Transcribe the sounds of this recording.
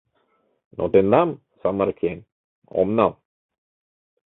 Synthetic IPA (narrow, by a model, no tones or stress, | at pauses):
nʔo̰t̪end̪am | samaɾkʰen | ɔ̰mnam